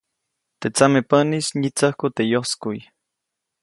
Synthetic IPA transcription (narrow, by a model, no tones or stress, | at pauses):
t̪et͡samepənisɲit͡səhkut̪ejoskuj